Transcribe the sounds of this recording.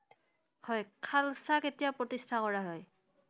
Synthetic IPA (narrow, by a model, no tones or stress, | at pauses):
hɔjkʰalsaketijapɹotistʰakɔɹaɦɔj